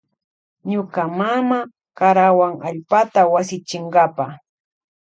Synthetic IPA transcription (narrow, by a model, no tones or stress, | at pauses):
ɲʊkamama | kaɾawaŋaʎpat̪awasɪt͡ʃɪɴɡapa